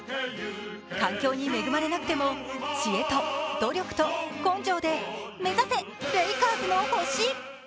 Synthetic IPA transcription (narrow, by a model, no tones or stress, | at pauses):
kãŋkʲo̞ːɲ̟ime̞ɡɯ̟maɾe̞nakɯ̟t̪e̞mo̞ɕie̞t̪o̞d̪̥o̞ɾʲo̞kɯ̟̥t̪o̞kõ̞ɲd͡ʑo̞ːd̪e̞me̞zase̞ | ɾeikaːzɨmoho̞ɕiː